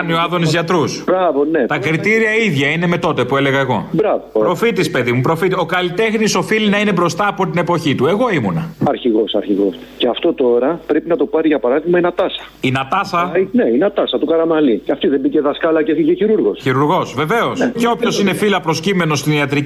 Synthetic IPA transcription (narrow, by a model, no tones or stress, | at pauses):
nioɐðoniszʝɐt̪ɾusbɾɐvonet̪ɐkɾit̪iɾiɐiðʝɐine̞me̞t̪o̞t̪e̞pue̞le̞ɣɐeɣo̞̰bɾɐvopɾo̞fit̪ispe̞ðimupɾo̞fit̪io̞kɐlit̪e̞xniso̞filinɐine̞bɾo̞st̪ɐːpo̞t̪̬inepo̞çit̪ue̞ɣo̞imunɐɐɾçiɣo̞sɐɾçiɣo̞̰s | ceɐft̪o̞t̪o̞ɾɐpɾe̞pinɐt̪o̞pɐɾiʝɐpɐɾɐðiɣmɐinɐt̪ɐsɐ̥ | inɐt̪ɐsɐneinɐt̪ɐsɐt̪ukɐɾɐmɐliceɐft̪iðembiceðɐskɐlɐceiceçiɾuɾɣo̞sçiɾuɾɣo̞sve̞ve̞o̞sceo̞pço̞sine̞filɐpɾo̞scime̞no̞sst̪iniɐt̪ɾi